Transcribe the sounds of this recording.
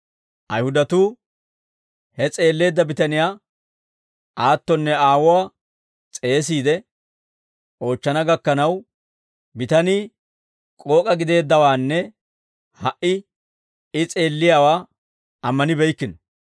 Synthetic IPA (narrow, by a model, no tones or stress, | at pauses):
ʔɐjhʊd̪ɐt̪uː | hɛt͡sʼe̞ːlːe̞ːd̪ːɐbɪt̪ɐnɪjaː | ʔaːt̪ːɔnːɛaːwɔwaː | t͡sʼe̞ːs̬iːd̪ɛ | ʔo̞ːt͡ʃːɐnɐɡɐkːɐnɐw | bɪt̪ɐni | kʼo̞ːkʼɐɡɪd̪e̞ːd̪ːɐwaːnːɛ | hɐʔɪ | ɪt͡sʼe̞ːlːɪjaːwaː | ɐmːɐnɪbɛjkːɪnɔ